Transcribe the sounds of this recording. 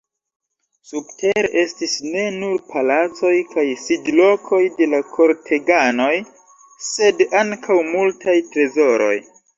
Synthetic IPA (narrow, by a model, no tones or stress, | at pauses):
sub̚tʰe̞ɾʔe̞stisne̞nuɾpʰalat͡so̞jkajsidlo̞kʰo̞jde̞lakʰo̞ɾtʰe̞ɡano̞j | se̞daŋkʰawmultʰajtɾe̞zo̞ɾo̞̰j